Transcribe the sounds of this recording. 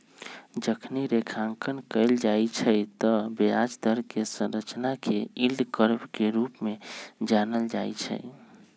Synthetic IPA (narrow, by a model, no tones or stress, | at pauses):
d͡ʒəkʰniɾekʰãŋkənkəɪld͡ʒajt͡ʃʰəjt̪ɔbead͡ʒd̪əɾkesə̃ɾət͡ʃnakeilɖkəɾbkeɾupmed͡ʒanəld͡ʒajt͡ʃʰə̰j